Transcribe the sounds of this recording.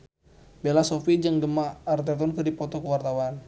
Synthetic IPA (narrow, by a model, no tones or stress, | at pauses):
belasɔfid͡ʒaŋdəmaːrt̪̬ɛt̪ɔnkɨrdipɔt̪ɔkəwart̪awan